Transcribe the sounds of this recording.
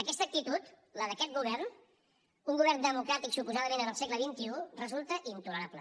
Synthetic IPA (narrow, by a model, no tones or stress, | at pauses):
əkɛst̪ək̚t̪it̪ut̪ | ləðəkɛt̪̚ɡuβɛrn | uŋɡuβɛɾnd̪əmukɾat̪iksupuzaðəmẽnənəlˠsekləβint̪iurəzulˠt̪əʔint̪uləɾaplə